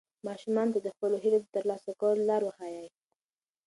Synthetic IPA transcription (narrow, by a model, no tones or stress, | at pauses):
mɑʃumɑnt̪ad̪əxpəloɦiled̪ət̪əɾlɑsakəwlolɑɾwəhɑjaj